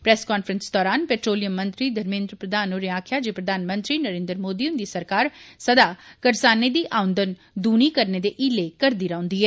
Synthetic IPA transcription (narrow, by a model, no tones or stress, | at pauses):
pɾɛːskaːnfɾənsd̪ɔːɾaːnpeːʈɾoːlijəmːə̃nt̪ɾid̪ʱɐɾmẽːnd̪ɾəpɾəd̪ʱaːnoːɾeaːkʰjad͡ʒeːpɾəd̪ʱaːnmə̃nt̪ɾinəɾẽːnd̪ɾəmoːd̪iʊnd̪isəɾkaːɾsəd̪akɐɾsaːned̪iːʔaːʊ̃nd̪ən | d̪uːñikɐɾned̪eʔiːlekɐɾd̪iːɾaːʊ̃nd̪iːɦɛː